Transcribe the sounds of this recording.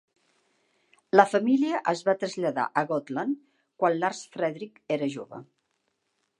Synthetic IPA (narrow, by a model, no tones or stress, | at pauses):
ləfəmiliəʔəzβat̪ɾəzʎəða̰ʔəɣɔt̪lən | kwanlarsfɾɛðɾikeɾəʒoβə̰